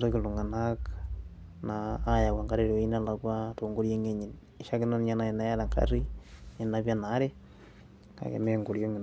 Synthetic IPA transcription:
to˦kɪ˨lu˨ŋa˨nak | naː˦ja˨wa˨ŋka˦ɾe˦˨ɾo˨˦i˦na˦la˨kwa˦to˨ŋɡo˦ɾjo˦ŋe˦ɲi˨n | ɪ˨ʃa˦kɪ˦nɔ˦nɲa˦na˨i˨na˦ja˦ɾa˨ŋka̰˦ri˦ne˨napja˦na˨˦ɾe˦ | ka̰˨kḛ˨me˦ŋɡo˨ɾjo˦ŋi˨n

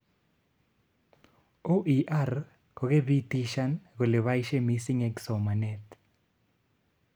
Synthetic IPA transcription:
o˦ʔiʔa˦r | kʰo˨ɣe˦bi˦tiʃa˦nɡo˨le˨βa˦iʃe˦misiŋɛ˦kso˨ma˨nɛ˦t

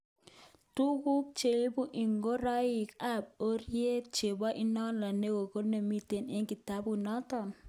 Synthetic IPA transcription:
tu˦ku˦k̚t͡ʃe˨lbu˦ʔi˨ŋɡo˦ɾɔ˦jɪ˨ka˦b̚o˦ɾje˦t͡ʃe˨ba˦ʔi˦nɔ˦nla˨ne˦ɡo˨ko˦ne˨mi˦t̪e˨ne˦ŋki˨ta˦bu˨nɔ˦t̪ɔ˨n

